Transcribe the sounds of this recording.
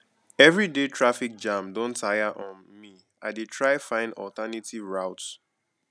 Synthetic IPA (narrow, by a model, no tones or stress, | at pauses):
ɛvɹidetʰɹafik̚d͡ʒãmdõntʰajaʔɔ̃n | mi | aɪdetʰɹaɪfãɪ̃ndɔ̰ltanitivɹaʊt